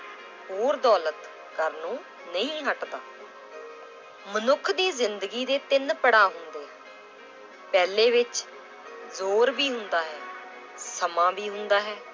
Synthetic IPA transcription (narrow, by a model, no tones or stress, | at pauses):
hoːɾd̪ɔːlət̪ | kəɾnõː | nəĩːɦəʈd̪aː | mənʊkʰd̪iːzɪnd̪əɡiːd̪eːt̪ɪnpəɽaːɦʊnd̪eː | pɛːleːʋɪt͡ʃ | zoːɾbiːɦʊnd̪aːɦɛː | səmãːbiːɦʊnd̪aːɦɛː